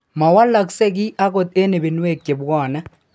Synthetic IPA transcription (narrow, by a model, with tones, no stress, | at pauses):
ma˨wa˦la˨kse˦kɪ˦ʔa˦ko˨t̪e˦ne˨be˨nwe˦˨kːe˨bwɔː˦˨na˦